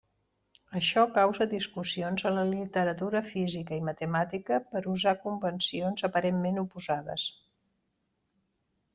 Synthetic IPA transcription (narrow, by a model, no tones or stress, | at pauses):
əʃɔkawzəd̪iskusionzələlit̪əɾət̪uɾəfizikəimət̪əmat̪ikəpəɾuzakumbənsionzəpəɾemmenupuzaðə̰s